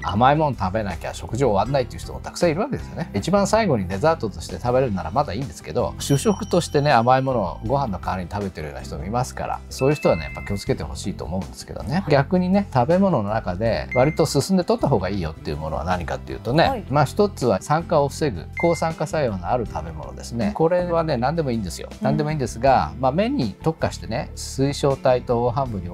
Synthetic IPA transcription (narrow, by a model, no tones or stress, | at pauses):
a̰maimõ̞nt̪abe̞naikʲa̰ɕo̞kɯ̟ʑiːβanːait̪ːeiɯ̟ç̥t̪omot̪ʰḁkɯ̟̥ãɰiɾɯβake̞d̪e̞sɨjoneit͡ɕibãɰ̃saiɡo̞ɲ̟id̪e̞zaːt̪o̞t̪o̞ɕi̥t̪e̞t̪abe̞ɾeɾɯ̟naɾamad̪aĩːnd̪e̞sɨ̥ke̞d̪o̞̰ɕɨːɕo̞kɯ̟̥t̪o̞ɕi̥t̪e̞ne̞amaimo̞no̞ɡo̞ɦãnːo̞kaːɾɯɲit̪abe̞t̪e̞ɾjoːnaçit̪omo̰imasɨ̥ka̰ɾa̰so̞ːjɯ̟çi̥t̪o̞ane̞japːakʲiot͡sɨ̥ke̞t̪e̞ho̞̰ɕiːt̪o̞̰ːmo̞ɯ̟nd̪e̞sɨ̥ke̞d̪o̰neɡʲakɯ̟ɲ̟ine̞t̪abe̞mo̞no̞no̞nakad̪e̞βaɾʲit̪o̞sɨsɨ̃nd̪e̞t̪ot̪ːaɦo̞ːɡaiːjo̞̰t̪ːe̞iɯ̟̰mo̞no̞̰βa̰naɲ̟ika̰t̪ːe̞jɯ̟ːt̪o̞ne̞maçi̥t̪o̞t͡sɨβasãŋkaoɸɯ̟̥se̞ɡɯ̟̰ko̞ːsãŋkasaɯjo̞ːnaaɾɯ̟t̪ʰabe̞mo̞̰no̞̰d̪e̞sɨne̞ko̞ɾe̞βane̞nãnd̪e̞mo̞iːnd̪e̞sɨjo̞̰nãnd̪e̞moiːnd̪e̞sɨɡamame̞ɲ̟it̪o̞kːaɕi̥t̪e̞ne̞sɨiɕo̞ːt̪ait̪o̞ːoɦãmbɯ̟ɲ̟i